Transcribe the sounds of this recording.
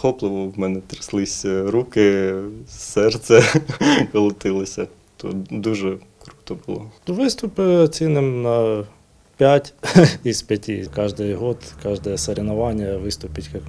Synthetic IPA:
xɔplˠɪʋɔwmɛnɛt̪ɾɪslˠɪsʲɾukɪ | sɛrt̪sɛkɔlˠɪt̪ɪlˠɪsʲɐ | t̪ɔ̰d̪uʒɛ | kɾu̥t̪ɔbʊlˠɔt̪uʋɪst̪ʊpɪɐt͡sʲinɪmnɐ | pʲatʲispʲjɐtʲikɑʒd̪ɪjɦɔt̪kɑʒd̪ɛjɛseɾʲenɐʋɑnʲjɐʋɪst̪ʊpʲɪtʲkɑk

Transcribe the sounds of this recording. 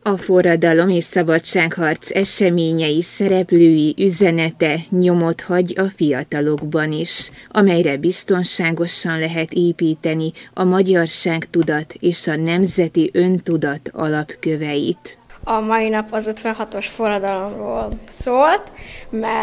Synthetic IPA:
ɒfo̞rɒd̪ɒlo̞meːʃsɒbɒt͡ʃaːkhɒrt̪sɛʃɛmeːɲɛjisɛɾɛpløːjiʔyzɛnɛt̪ɛɲo̞mo̞t̪hɒɟɒfijɒt̪ɒlo̞ɡbɒniʃɒmɛjrɛbist̪o̞nʃaːɡo̞ʃɒnlɛɦɛt̪eːpiːt̪ɛniɒmɒɟɒrʃaːkt̪ud̪ɒt̪eːʃɒnɛmzɛt̪iʔø̞nt̪ud̪ɒt̪ɒ̰lɒpkø̞vɛjit̪ɒmɒjinɒpɒzøt̪ʋɛnɦɒt̪o̞ʃforɒd̪ɒlo̞mroːlsoːlt̪mɛ

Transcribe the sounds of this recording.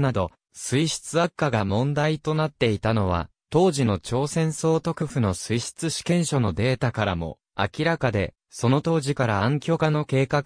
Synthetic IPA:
nad̪o̞ | sɨiɕi̥t͡sɨakːaɡamõ̞nd̪ait̪o̞nat̪ːe̞it̪ano̞β̞a̰ | t̪o̞ːʑino̞t͡ɕo̞ːsẽ̞ɰ̃so̞ːt̪o̞kɯ̟ɸɯ̟no̞sɨiɕi̥t͡sɨɕi̥kẽ̞ɰ̃ɕo̞no̞d̪e̞ːt̪akaɾamo̞̰ | a̰kʲiɾakad̪e̞ | so̞no̞t̪o̞ːʑikaɾãːŋkʲo̞kano̞ke̞ːkak

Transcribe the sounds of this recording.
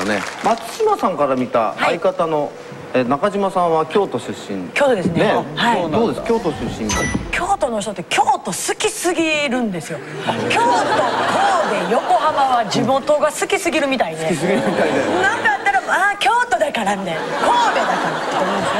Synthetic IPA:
nḛmat͡sɕimasãŋkaɾamʲit̪a̰haikat̪ano̞ | enakaʑimasãβakʲo̞ːt̪o̞ɕɨɕːḭ̃nkʲo̞ːt̪od̪esɨnehaisoːd̪eskʲo̞ːt̪oɕɨɕːĩnakʲʰo̞ːt̪o̞no̞çi̥t̪ot̪ːekʲo̞ːt̪o̞sɨkʲisɨɡʲiɾɯ̟̃nd̪e̞sɨjo̞ | kʲo̞ːt̪o̞kʰo̞ːbe̞jo̞ko̞hamaβad͡ʑimo̞t̪o̞ɡasɨkʲisɨɡʲiɾɯ̟mʲit̪aid̪eisɨɡʲiɾɯmʲit̪aid̪enãnk̪ajat̪ːaɾaakʲo̞ːt̪o̞d̪akaɾamʲit̪ainkoːbe̞d̪akaɾat̪ːo

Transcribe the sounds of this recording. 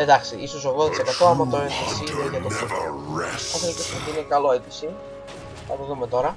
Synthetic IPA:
ed̪ɐksiiso̞soɣðoðɐt̪isekɐt̪oɐmɐt̪oetissineʝɐt̪okɾiso̰oθeltisut̪inekɐlo̞et̪isi | ɐpoðumet̪o̞ɾɐ

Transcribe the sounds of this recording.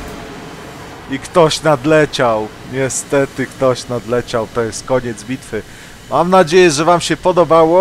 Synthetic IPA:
ikt̪ɔɕnad̪lɛt͡ɕaw | ɲɛst̪ɛt̪ɘkt̪ɔɕnad̪lɛt͡ɕawt̪ɔjɛst̪̚kɔɲɛd̪zbʲit̪fɘ | mamnad͡ʑejɛʐɛvamɕɛpɔd̪ɔbawɔ

